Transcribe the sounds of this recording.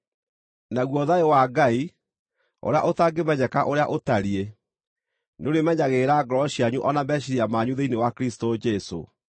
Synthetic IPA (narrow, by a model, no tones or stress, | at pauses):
naɣwɔðaewaɡai | o̰ɾea̰ʔotaɡemɛɲɛkaʔoɾeaʔotaɾie | neoɾemɛɲaɣeːɾaɡɔɾɔɕiaɲuʔɔnambɛɕiɾiamaɲuðeinewakɾistod͡ʒɛso̰